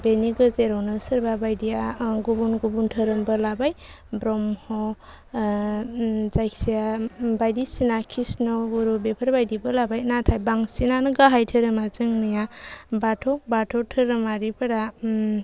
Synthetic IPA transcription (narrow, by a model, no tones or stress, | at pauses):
beniɡɯzeɾɔwnɯsəɾbabajdijaɡubunɡubuntʰəɾɯmbɯlabaj | bɾɔmhɔ | zajksijabajdisinakʰisnɔɡuɾubepʰəɾbajdibɯlabajnatʰajbaŋsinanɯɡaɦajtʰəɾɯmazɯŋnɯjabatʰɔkbatʰɔtʰɯɾɯmaɾipʰɯɾa